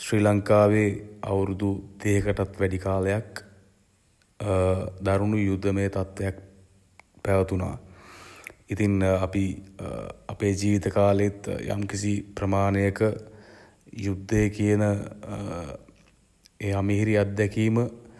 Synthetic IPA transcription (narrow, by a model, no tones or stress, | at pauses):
sriːlaŋkaːʋeːa̰wɾud̪ut̪eːkəʈat̪ʋæɖikaːləjak | d̪aɾunujud̪ːəməjət̪at̪ʋejak̚ | pæʋət̪una̰ː | it̪iŋapi | apeːd͡ʒiːʋit̪əkaːləet̪ja̰mkisiprəmaːnejəkə | jud̪ʱːəjəkijənə | eːamiɦiɾiat̪̚d̪ɛkiːmə